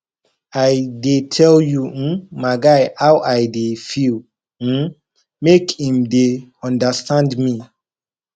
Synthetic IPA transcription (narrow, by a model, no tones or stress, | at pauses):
ajdetʰɛljumaɪɡaɪhawʔaɪdefil̩ | mekĩmdeɔ̃ndastãndmi